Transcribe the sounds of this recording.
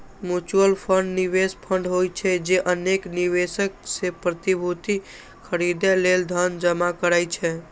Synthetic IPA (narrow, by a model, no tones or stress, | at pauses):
mjut͡ʃuəlpʰəɳɖniβespʰəɳɖɦojt͡ʃʰɛd͡ʒeʔənekniβesək̚sepɾət̪ibʱut̪i | kʰəɾid̪ɛleld̪ʱənd͡ʒəmakəɾajt͡ʃʰɛ